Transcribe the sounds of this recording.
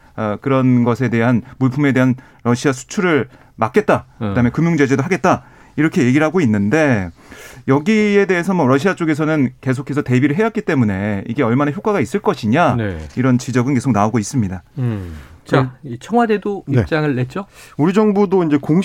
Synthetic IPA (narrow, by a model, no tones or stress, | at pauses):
ʌkɯɾʌnɡʌsʰe̞de̞ɦanmuɭpʰume̞de̞ɦan | ɾʌɕʰiasʰu̥t͡ɕʰuɾɯɭ | mak͈e̞t̚t͈akɯdaɦɯmekɯmjuŋd͡ʑe̞d͡ʑe̞doɦaɡe̞t̚t͈a | iɾʌkʰe̞je̞ɡiɾɦaɡoinːɯnde̞ | jʌɡie̞de̞ɦes̬ʰʌmwʌɾʌɕʰiat͡ɕ͈oɡe̞sʰʌnɯnke̞s̬ʰokʰe̞sʰʌte̞biɾɯɭɦe̞jʌt̚k͈it͈e̞mune̞ḭɡe̞ʌɭmanaçjok͈aɡais͈ɯɭk͈ʌɕʰiɲanḛiɾʌnt͡ɕid͡ʑʌɡɯnke̞sʰok̚naoɡois͈ɯmɲida | t͡ɕait͡ɕʰʌŋwade̞doiet͡ɕ͈aŋɯɭːet̚t͡ɕ͈ouɾid͡ʑʌŋbudoind͡ʑe̞koŋ